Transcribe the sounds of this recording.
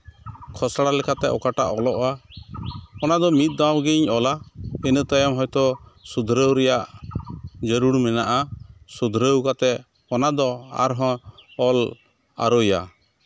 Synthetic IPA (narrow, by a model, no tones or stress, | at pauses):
kʰɔsaɽalɛkʰat̪ɛʔɔkaʈa̰ʔɔlɔʔa | ɔnad̪ɔmit̪̚ˀd̪awɡiɲɔlainət̪ɔjamɦɔjt̪ɔsud̪ʱɾəwɾɛjaʔ | d͡ʒəɾuɽmɛnaʔasud̪ʱɾəwkat̪ɛ | ɔnad̪ɔa̰ɾɦɔ̃ɔl | a̰ɾɔja̰